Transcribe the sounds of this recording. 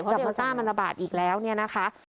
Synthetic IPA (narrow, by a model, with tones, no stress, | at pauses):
pʰɔ˦˥a˨˩˥aː˧saː˥˩ŋma˧nɾa˧ba̰ː˨˩t̪̚ʔiː˨˩k̚lɛː˦˥wni˥˩ɐna˦˥kʰa˦˥